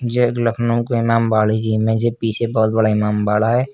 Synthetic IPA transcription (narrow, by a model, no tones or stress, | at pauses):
d͡ʒekləkʰnõkoɪmaːmbaːlikimɛ̃d͡ʒepiːt͡ʃʰebɔːt̪̚bɐɽaɪmaːmbaːlaɦɛː